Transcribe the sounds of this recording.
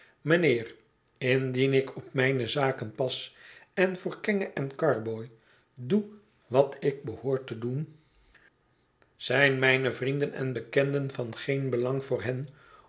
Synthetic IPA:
məneːr | ɪndinɪkɔpmɛjnəzaːkənpɑsɛnvʊːɹkɛŋəʔɛnkɑɹboj | du | ʋɑtɪɡ̚bəhoːɹtədun | z̥ɛjnmɛjnəvrindənɛ̰nbəkɛndənvɑnχejnbəlɑŋvʊːɹɦɛn

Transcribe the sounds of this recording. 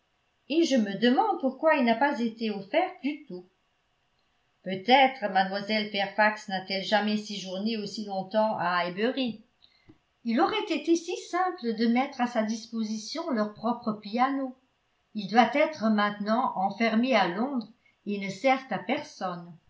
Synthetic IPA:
eʒəməd̪əmɑ̃d̪̚puʁkwailnapazet̪eɔfɛʁd̪yt̪o | pøt̪ɛt̪χəmad̪mwazɛlfɛʁfaksnat̪ɛlʒamɛsiʒuʁneosilɔ̃t̪ɑ̃aɛbəʁi | ilɔʁɛt̪et̪esisɛ̃pləd̪əmɛt̪χasad̪ispozisjɔ̃lœʁpχɔpχəpiano | ild̪wat̪ɛt̪χəmɛ̃t̪nɑ̃ʔɑ̃fɛʁmealɔ̃d̪ʁ | enəsɛʁt̪apɛʁsɔn

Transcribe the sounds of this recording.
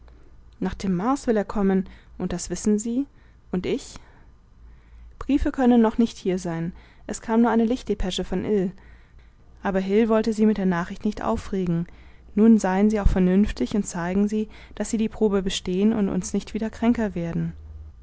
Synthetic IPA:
naːχd̥eːmːaɐsv̥ɪleːɐkʰɔmənʔʊnt̚d̥asv̥ɪsn̩ziː | ʔʊntʔɪç | b̥ʁiːfəkʰœnənːɔχnɪçthiːɐzaɪn | ʔɛskʰaːmnuɐaɪnəlɪçt̚d̥epʰɛʃəfɔnʔɪl | ʔaːbɐɦɪlvɔltəziːmɪt̚d̥eːɐnaːχɪçtnɪçtʔa̰ʊfʁeːɡŋ̩ | nuːnzaɪənziːaʊxfɛɐnʏnftɪçʊnt̚t͡saɪɡŋ̩ziː | d̥asz̥iːdiːpʁ̥oːbəbəʃteːənʊ̰ntʊ̰nsnɪçtv̥iːdɐkʁ̥ɛŋkɐveːɐdn̩

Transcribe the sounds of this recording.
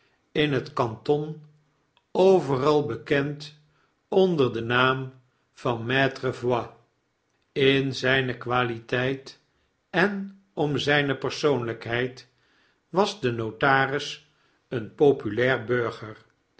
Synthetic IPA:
ɪnɦətkɑntɔn | owvərɑlˠbəkɛnt | ɔndəɹdənaːm | v̥ɑnmɛːtrəvwɑ | ɪnzɛjnəkʋaːlitɛjt | ɛn | ɔmzɛjnəpəɹsownləkɦɛjt | ʋɑzdənowtaːrɪs | ənpowpylɛːɹbøɹχəɹ

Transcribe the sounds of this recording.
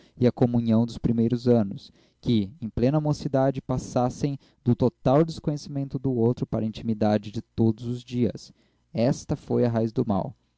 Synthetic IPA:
ɪɐkomũɲɐ̃w̃d̪ʊspɾimejɾʊzɐ̃nʊs | kɪẽj̃plẽnɐamosid̪ad͡ʒɪpasasẽj̃ | d̪ʊt̪ot̪awd͡ʒɪskõɲesimẽnt̪ʊd̪ʊowt̪ɾʊpaɾɐĩnt͡ʃimid̪ad͡ʒɪd͡ʒɪt̪od̪ʊzʊzd͡ʒiɐ̰s | ɛst̪ɐfojɐɦajzd̪ʊma̰w

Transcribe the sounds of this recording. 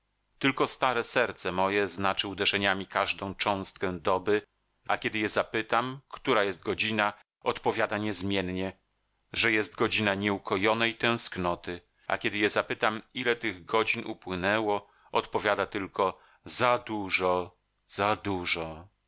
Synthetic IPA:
t̪ɘlkɔst̪aɾɛsɛɾt̪sɛmɔjɛznat͡ʂɘud̪ɛʐɛɲamʲikaʐd̪ɔ̃w̃t͡ʂɔ̃w̃st̪̚kɛ̃d̪ɔbɘ | a̰kʲɛd̪ɘjɛzapɘt̪amkt̪uɾajɛst̪̚ɡɔd͡ʑina | ɔt̪pɔvʲjad̪aɲɛzmʲjɛnɲɛ | ʐɛjɛst̪ɡɔd͡ʑinaɲɛukɔjɔnɛjt̪ɛ̃w̃sknɔt̪ɘ | a̰kʲɛd̪ɘjɛzapɘt̪amilɛt̪ɘɣɡɔd͡ʑinʔṵpwɘnɛwɔ | ɔt̪pɔvʲjad̪at̪ɘlkɔ | zad̪uʐɔ | zad̪uʐɔ

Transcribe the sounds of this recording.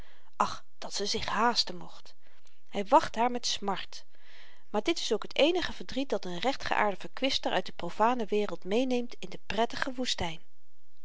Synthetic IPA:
ʔɑχ | d̥ɑtsəzɪχɦaːstənmɔχt | hɛjʋɑχtɦaːɹmɛtsmɑɹt | maːɹdɪtɪ̥sowkɦətejnəχəvəɹdrit̚dɑtənrɛχtχə̰ʔa̰ːɹdəv̥əɹkʋɪstəɹʔœ̰ɥ̚dəprowfaːnəʋɪːrəlˠtmejnejmtɪndəprɛtəχəʋustɛjn

